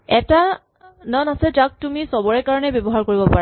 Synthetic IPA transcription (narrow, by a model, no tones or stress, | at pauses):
ɛta | nɔnasɛd͡ʒak̚tumisɔbɔɹɛkaɹɔnɛbɔbɔɦaɹkoɹibɔpaɹa